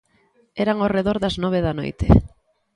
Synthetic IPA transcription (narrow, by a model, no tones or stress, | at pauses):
ɛɾaŋoreðoɾðɐznɔβ̞eðɐno̰jt̪ɪ̰